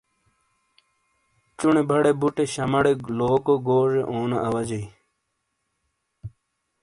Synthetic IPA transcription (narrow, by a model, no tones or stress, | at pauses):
t͡ɕuɳebʱɐɽebuʈeɕɐmɐɽeloːkoɡoːʐeʔoːnɐʔɐʋɐd͡ʑɐi